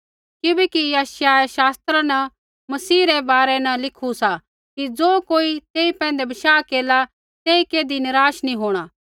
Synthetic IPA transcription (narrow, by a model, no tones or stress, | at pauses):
kɪbɛkijaːʃjaɛʃaːst̪ɾãnɐ | mɐsiːɾɛbaːɾɛnɐlɪkʰusa | kid͡zoːkoːit̪eːipɛ̃ːnd̪ebɐʃaːkeːla | t̪eːikeːd̪inɪɾaːʃnĩɦoːɽ̃a